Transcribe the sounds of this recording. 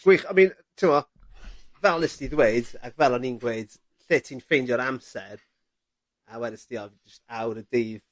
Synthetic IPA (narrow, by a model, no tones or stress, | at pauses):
ɡ̥wiːχamiːntʰɪmɔ | vɛlˠnɪsd̥iðweɨda̰kvɛlˠɔninɡweɨd̥ | ɬeːtʰiːnfejndjɔɾamsɛɾ | awɛɾɪsdiɔvd͡ʒəstawɾədeːð